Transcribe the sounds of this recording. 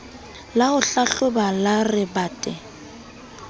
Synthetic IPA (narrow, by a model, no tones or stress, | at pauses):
lahʊɬaɬʊbalarɪbaːtʼɛ